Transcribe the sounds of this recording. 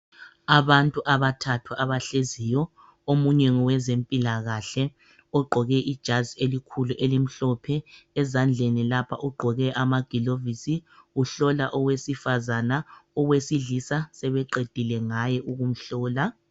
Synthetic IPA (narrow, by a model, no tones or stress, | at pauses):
aβantʼuʔaβatʰatʰwaʔaβaɬezijɔ | omuɲɛŋɔwɛzempʼilaɣaɬɛ | ɔɡ͡ǃʱɔɣɛʔid̥ʒ̥ʱazielikʰuluʔelim̩ɬɔpʰɛːzand͡ɮʱenilapʰa̰ʔuɡ͡ǃʱɔɣɛʔamaɡ̥ʱilovisiuɬɔlaʔɔwesifazanaɔwesiɮisasɛβɛǃed̥ʱilɛŋajɛʔuɣum̩ɬɔːla